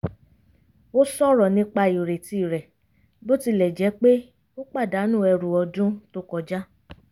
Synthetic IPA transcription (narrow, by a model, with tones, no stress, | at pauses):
o˦sɔ˦ɾɔ˨nĩ˧˦k͡pa˧i˨ɾe˨ti˦˨ɾɛ˨ | bo˦ti˦lɛ˨d͡ʒɛ˨˦k͡pe˦ | o˦k͡pa˦˨da˨˦nũ˦˨ɛ˧ɾũ˨ɔ˧dũ˦to˦kɔ˧d͡ʒa˦